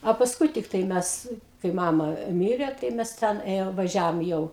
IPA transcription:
ɐ pɐsˈkʊɪ tʲɪkˈtɐɪ ˈmʲɛs kɐɪ ˈmɑːmɐ ˈmʲɪrʲeː tɐɪ ˈmʲɛs ˈtʲɛn ˈeːjoːm ʋɐˈʒʲæːʋoːm jɛʊ

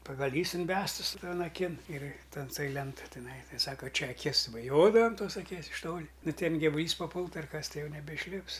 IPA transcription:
pɐɡɐˈlʲiːs ɪnʲˈbʲæːstɨs ˈtoːn ɐˈkʲɪn ɪr tʲɛn toːj ˈlʲɛntoːj tʲɪˈnɐɪ ˈtɐɪ ˈsɑːkɐ ˈt͡ʃʲɛ ɐˈkʲɪs bɐˈjoːdɐʋoːm ˈtoːs ɐˈkʲiɛs ɪʃ ˈtoːlʲɪ ˈnʊ ˈtʲɛn ɡʲɪʋʊˈlʲiːs pɐˈpʊlˠtʊ ɐr ˈkɐs ˈtɐɪ ˈjɛʊ nʲɛbʲɛɪʃʲˈlʲɪps

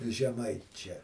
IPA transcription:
ʒʲɛˈmɐɪt͡ʃʲɛ

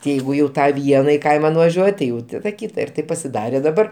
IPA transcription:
tʲɪ ˈjɛɪɡʊ jɛʊ ˈtɑː ˈʋʲiɛnɑː ɪ ˈkɐɪmɐ nʊʋɐʒʲuɔtʲ tʲɪ jɛʊ ˈtɑːdɐ ˈkʲiːtɐ ɪr ˈtɐɪp pɐsʲɪˈdɑːrʲeː dɐˈbɐr

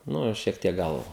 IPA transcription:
ˈnʊ ɪr ʃʲiɛk ˈtʲiɛk ˈɡɐlˠ

